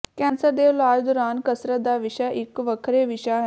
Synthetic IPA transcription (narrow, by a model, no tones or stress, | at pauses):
kɛ̃nsəɾd̪eʋlald̪uɾaːnkəsɾəd̪aʋiɕaʔikʋəkʰɾeʋiɕa